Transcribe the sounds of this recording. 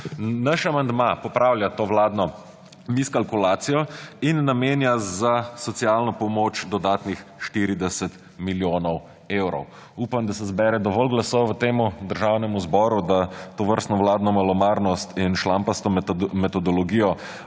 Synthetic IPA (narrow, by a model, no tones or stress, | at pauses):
naʃamand̪mapɔpɾawljat̪oːʋlaːd̪nɔ | miskalkulaːt̪sijɔinːameːnjazasɔt̪sijalnɔpɔmot͡ʃd̪ɔd̪aːt̪nixʃt̪iɾid̪ɛsɛt̪ | miljoːnɔw | ewɾɔ̰w | uːpamd̪asɛzbɛɾɛd̪ɔʋɔlɡlasɔwʋət̪eːmud̪əɾʒawnɛmuzbɔɾud̪at̪ɔʋəɾst̪nɔʋlaːd̪nɔmalɔmaːɾnɔst̪inʃlampast̪ɔmɛt̪ɔd̪ɔlɔɡiːjɔ